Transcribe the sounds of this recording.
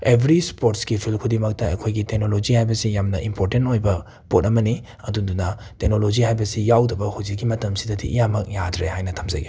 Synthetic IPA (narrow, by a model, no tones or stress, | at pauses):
ebʱɾispoɾtsɡipʰilkʰudimɐk̚tɐɐ̰kʰojɡitek̚nolod͡ʒihajbɐsijamnɐʔimpʰoɾtentojbɐ | potɐmɐni | ɐdundunɐ | tek̚nolod͡ʒihajbɐsijawdɐbɐhud͡ʒik̚ɡimɐtɐmsidɐdḭʔːjamɐk̚jadɾehajnɐtʰɐmzɐ̰ɡi